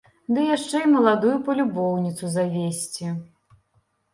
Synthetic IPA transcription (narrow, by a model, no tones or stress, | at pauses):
d̪ɨjaʂt͡ʂɛimɐlˠad̪ujupɐlʲubɔwnʲit̪suzavʲesʲt͡sʲi